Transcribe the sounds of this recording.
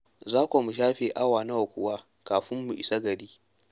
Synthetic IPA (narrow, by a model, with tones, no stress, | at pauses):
zaː˦kʷo˨mu˨ʃ̬aː˦ɸeː˨ʔa˦waː˨na˦wa˨kʷʊ˨waː˦ | kaː˨ɸɪ˦mːu˨ʔɪ˨sa˦ɡɐ˨ɽiː˦